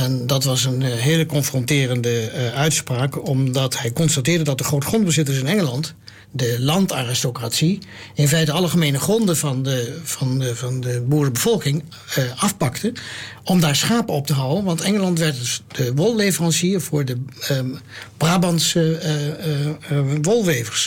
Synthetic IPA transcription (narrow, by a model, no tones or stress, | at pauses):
ɛndɑtʋɑsənɦeːləkɔnfrɔntɪːrəndəœɥtspraːkɔmdɑtɦɛjkɔnstatɪːɹdədɑt̚dəχrowtə̥χrɔnd̚bəzɪtəsɪnɛŋəlɑnt | dəlɑntaːrɪstokratsiɪnfɛjtəɑlˠχəmejnəχrɔndəvɑndəvɑnvɑndəbuːɹəbəv̥ɔlˠkɪŋ | ɑfpɑktəɔmdaːɹsχaːpəɔp̚təɦawənʋɑntɛŋəlɑntʋɛɹtd̥əʋɔlˠːejvərɑnsiəvʊːɹdə | b̥raːbɑnsə | ʋɔlˠʋejvəɹs